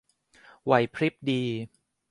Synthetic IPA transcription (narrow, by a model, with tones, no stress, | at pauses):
wa˨˩jpʰɾi˦˥p̚diː˧